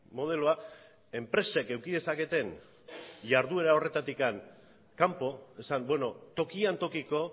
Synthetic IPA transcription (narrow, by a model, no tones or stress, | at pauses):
mo̞ð̞e̞loa | e̞mpɾe̞se̞ke̞wkið̞e̞sake̞t̪e̞n | ʎaɾðue̞ɾao̞re̞t̪at̪ikan | kampo̞e̞sambwe̞no̞t̪o̞kiant̪o̞kiko̞